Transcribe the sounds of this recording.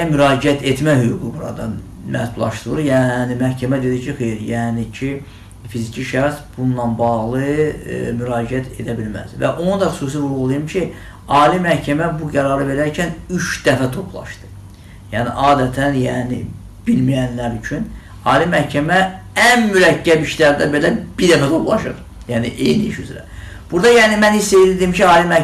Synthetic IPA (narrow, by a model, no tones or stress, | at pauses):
myɾɑːd͡ʒiæt̪ʰe̞t̪mæhyɡuɡubuɾɑ̰d̪ɑn | mʔæ̰sbulˠɑ̰ʃt̪ɯlˠɯɾjænimæhcʰæmæd̪e̞d̪icʰixejiɾjæːnicʰi | fizicʰiʃæxsb̥unlˠɑnbɑɣlˠɯmyɾɑːd͡ʒiæt̪ʰe̞d̪æbilmæ̰zvæ̰ʔonud̪ɑxy̥suːs̬ivulˠuɣulˠɯjɯmcʰi | ɑːlimæhcʰæmæbuɡæɾɑɾɯve̞ɾæɾcʰænyʃd̪æfæt̪ʰo̞pʰlˠɑ̰ʃd̪̥ɯ̥ | jæːnḭʔɑːd̪æt̪ʰænjæːnḭ | b̥ilmijænlæɾyt͡ʃʰyn | ɑːlimæhcʰæmæænmyɾæcːæbiʃlæɾd̪ænbe̞læb̥iɾd̪æfæt̪ʰo̞plˠɑʃɯ̰ɾ | jæːniʔejniiʃyzɾæ̰ | b̥uɾd̪ɑjæːnimænissejlid̪iimcʰiɑːlimæ